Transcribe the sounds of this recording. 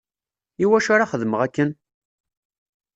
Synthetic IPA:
iwæʃaɾaχəðməʁækːən

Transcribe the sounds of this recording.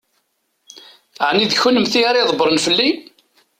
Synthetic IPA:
ʕniðçunːəmθiaɾjðˤbɾˤənfəlːi

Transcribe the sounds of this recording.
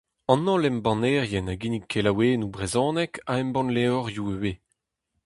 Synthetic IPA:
ɑ̃nːɑ̃lɛmbɑ̃nɛːʁjɛnaɡinikʰːelaweːnubʁezɔ̃ːnɛkaɛmbɑ̃nleɔʁjuøwe

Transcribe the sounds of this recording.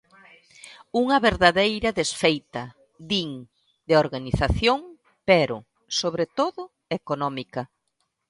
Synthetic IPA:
uŋɐβeɾðaðejɾɐðesfejt̪ɐ | ðiŋ | d̪eoɾɣaniθaθjoŋ | peɾʊ | soβɾet̪oðʊ | ekonɔmikɐ

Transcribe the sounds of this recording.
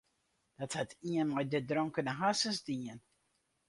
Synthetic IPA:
d̥ɑthətiənmɛjdədrɔŋkənəɦasənzdiən

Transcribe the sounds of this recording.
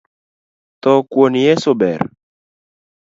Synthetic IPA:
t̪ɔkwonjɛsobɛr

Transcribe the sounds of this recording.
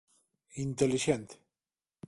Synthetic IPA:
int̪æliʃænt̪

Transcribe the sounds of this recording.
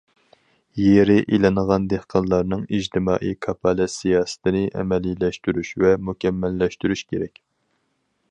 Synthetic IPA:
jeɾɪʔilɨnəʁɑnd̪ehqʰɑnlˠɑɾnɨŋid͡ʒt̪ʰɪmɑ̰ːʔijkʰɑpʰɑlɛsijɑːsɨ̥t̪ʰɪnɪʔɛ̰mɛlilɛʃt̪yɾyʃvɛmukʲɛmːɛlːɛʃt̪yɾyʃkʲʰeɾɛkʲ

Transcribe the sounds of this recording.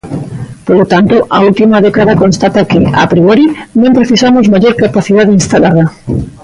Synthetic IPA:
polot̪ant̪oʔault̪imaðɛkaðakõnst̪at̪akea̰pɾiɔɾinõmpɾeθisamozmaʎoɾkapaθið̞aðeinst̪alaɾa

